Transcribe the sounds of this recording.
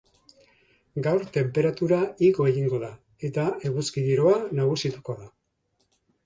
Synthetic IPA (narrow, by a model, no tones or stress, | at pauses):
ɡawɾt̪e̞mpe̞ɾat̪uɾaiɣo̞eɣiŋɡo̞ða | e̞t̪ae̞ɣuskiðiɾo̞anaɣ̞usit̪u̥ko̞ða